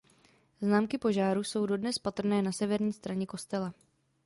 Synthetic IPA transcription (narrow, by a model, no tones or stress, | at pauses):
znaːmkɪpo̞ʒaːɾuːso̞wdo̞dnɛspat̪r̩nɛːnasɛvɛɾɲiːst̪ɾaɲɛko̞st̪ɛla